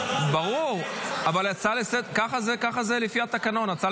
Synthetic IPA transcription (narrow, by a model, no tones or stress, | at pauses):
baʁuʁavalat͡salesed̪kaχazekaχazelefiat̪akano̞nat͡sa